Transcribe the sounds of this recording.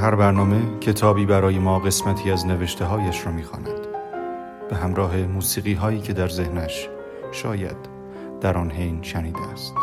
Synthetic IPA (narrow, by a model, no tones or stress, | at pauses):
ɦæɾbæɾnɒːme̞cʰe̞t̪ʰɒːbiːbæɾɒːje̞mɒːɣe̞smæt̪ʰiːæzne̞veʃt̪ʰe̞ɦɒːjæʃɾɒːmiːxɒ̰ːnæ̰d̪̥ | b̥e̞ɦæmɾɒːɦe̞muːsiːɣiːɦɒːiːcʰe̞d̪æɾzehnæʃ | ʃɒːjæ̰d̪̥ː | æɾɒːnɦe̞jnʃæniːd̪eæst̪